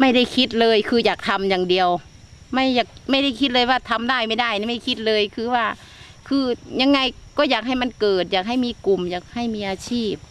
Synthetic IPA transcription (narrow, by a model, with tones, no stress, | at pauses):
ma˥˩jda˥˩jkʰi˦˥t̪̚lɤː˧jkʰɯː˧jaː˨˩k̚t̪ʰa˧mjaː˨˩ŋdi˧əw | ma˥˩jaː˨˩k̚ma˥˩jda˥˩jkʰi˦˥t̪̚lɤː˧jwaː˧˩t̪ʰa˧mdaː˥˩jma˥˩jda˥˩ja˧˦ma˥˩jkʰi˧˥t̪̚lɤː˧jkʰɯː˧waː˧˩ | kʰɯː˧ɲa˧ŋːa˧jkɔː˧˩jaː˨˩k̚ɦa˧˥˩jma˧˥˨nkɤː˨˩t̪̚jaː˨˩k̚ɦa˥˩jmiː˧˥ku˨˩mjaː˨˩k̚ha˧˩jmiː˧˥ʔaː˧t͡ɕʰiː˥˩p̚